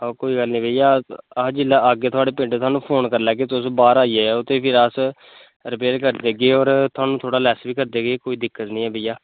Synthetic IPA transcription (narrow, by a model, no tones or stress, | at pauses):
ɔːkoːiːɡəlnĩːbeːijaːd͡ʒɪlaːaːɡeːt̪ʰʊaːɽeːpɪ̃ɳɖeːt̪ʰwaːnũːpʰoːnkəɾlɛːɡeːt̪ʊsbaːɾaːiːeːʊt̪ʰːeːpʰɪɾəs | ɾɪpeːɾkəɾd̪eːɡeːɔːɾt̪ʰʊwaːnũːt̪ʰoːɽaːlɛːsʋiːkəɾd̪eːɡeːkoːiːd̪ɪkːət̪nĩːɛːbejaː